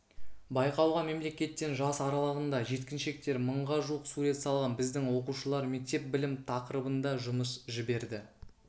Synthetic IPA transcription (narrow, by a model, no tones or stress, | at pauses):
bɑjqɑwʁɑme̞mle̞kʲe̞t̪ːe̞nʒɑsɑɾɑlˠəʁənd̪ɑʒe̞t̪kʲɪnʃe̞k̚t̪e̞ɾməɴʁɑʒuwəqsuɾe̞t̪sɑlˠʁɑnbɪzd̪ɪŋwo̞quʃəlˠɑɾme̞k̚t̪e̞p̚bɪlɪmt̪ʰɑqəɾəbənd̪ɑʒʊməsʒɪbe̞ɾd̪ɪ